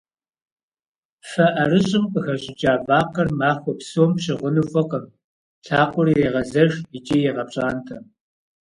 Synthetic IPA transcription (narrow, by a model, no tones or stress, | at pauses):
fɐʔɐrɨɕʼɪmqʼəxɐɕʼɪd͡ʒʼaːvaːqɐrmaːxʷɔpsoːmpɕɪʁʷʊnufʼɐqɐm | ɬʰaːqʷʊrieːʁɐzɐʒit͡ʃʼiːjɛʁɐp̚ɕʼaːntʰɐm